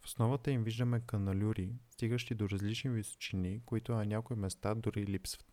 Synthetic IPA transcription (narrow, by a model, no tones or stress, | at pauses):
fo̥snɔvət̪əimviʒd̪əmɛkɐnɐlʲuɾist̪iɡəʃt̪id̪oɾɐzlit͡ʃniviso̥t͡ʃinikoit̪ʊɐnʲakoimɛst̪ad̪ʊɾilipsvə̥t̪